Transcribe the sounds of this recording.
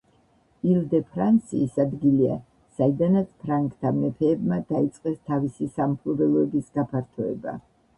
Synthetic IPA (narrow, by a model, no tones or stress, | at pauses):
ilˠd̪ɛpʰɾant̪sʰḭːsad̪ɡilia̰ | said̪anat̪sʰpʰɾaŋkt̪ʰamɛpʰɛːbmad̪̥ait̪sʼqʼɛst̪ʰavisisampʰlˠɔbɛlˠɔɛbisɡapʰaɾt̪ʰɔɛ̰ba̰